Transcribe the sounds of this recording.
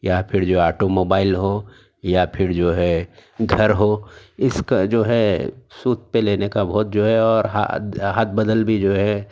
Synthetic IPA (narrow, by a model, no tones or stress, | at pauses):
japʰɪɾd͡ʒoːaːʈomoːbaːɪlɦo | japʰɪɾd͡ʒoːɦɛɡʱɐɾɦoɪskad͡ʒoːɦɛsuːt̪̚peleːnekabʱɔːt̪̚d͡ʒoːɦɛɔːɾɦa̰ɦaːt̪̚ʰbəd̪əlbʱid͡ʒoːɦɛ